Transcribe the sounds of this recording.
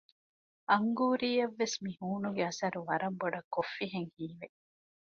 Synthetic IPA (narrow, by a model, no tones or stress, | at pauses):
ɐŋɡuːɾiːɐʋːesmihuːnuɡeɐsɐɾuʋɐɾɐmboɖɐkːofːiɦeŋhiːʋe